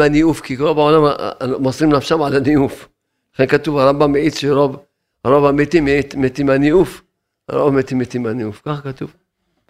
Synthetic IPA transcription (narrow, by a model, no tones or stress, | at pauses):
aniʔufkiɡɾobaʕolammasˤɾimnafʃamʕalaniʔuf | laxenkat̪uvaɾˤɑmbamːeʕit̪ʃɾob | ɾˤobamet̪imimet̪imaniʔuf | ɾo̰met̪imet̪imaniʔufkaxakat̪uv